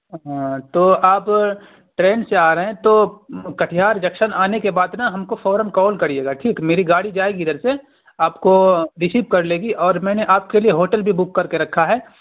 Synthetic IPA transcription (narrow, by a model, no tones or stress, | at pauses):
ɦãt̪oːaːp | ʈɾeːnseaːɾɐɦɛ̃t̪oːkɐʈʰijaːɾd͡ʒɐkʃənaːnekebaːd̪nɐɦɐmkofɔːɾənkɔːlkɐɾieːɡaʈʰiːkmeːɾiɡaːɽid͡ʒaːeːɡiɪd̪əɾse | aːpkoɾɪsiːpkɐɾleːɡiʔɔːɾmɛ̃ːneʔaːp̚kelieɦoːʈəlbʱibʊkːɐɾkeɾɐkʰːaɦɛː